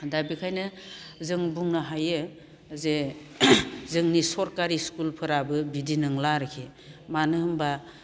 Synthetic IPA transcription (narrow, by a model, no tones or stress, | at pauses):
dabikʰajnɯzɯŋbuŋnaɦajɯ | ze | zɯŋnisɔɾkaɾiskulpʰɯɾabɯbidinɯŋlaɾɯkʰe | manɯɦɯmba